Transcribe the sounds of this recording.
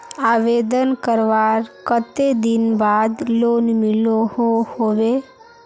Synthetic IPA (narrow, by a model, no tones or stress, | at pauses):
aːʋed̪ənkəɾʋaɾkət̪ed̪ɪnbaːd̪loːnmɪlohohoʋe